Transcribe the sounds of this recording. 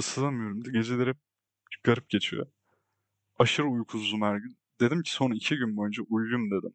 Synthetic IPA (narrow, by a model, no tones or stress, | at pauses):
sɯzamyjo̞ɾumd̪ɛɟe̞d͡ʒelʲeɾɛp̚ | kʰaɾɯp̚ɟe̞t͡ʃʰḭjo̰ | aʃɯɾɯujkʰuzd̪umhæɾɟyn | d̪e̞d̪imcʰi̥so̞nicʰiɟynbojynd͡ʒɛʔujjumd̪e̞d̪im